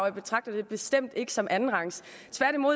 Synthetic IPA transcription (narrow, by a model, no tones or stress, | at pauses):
ʊ̰ib̥e̝t͡sʰʁɑ̈ɡ̥̚d̥ɐd̥e̝b̥e̝sd̥em̰d̥e̝ɡ̥ə̥sɒ̽mʔænn̩ʁɑ̈ŋst͡sʰʋæɐ̰ɾ̥imo̝ð̰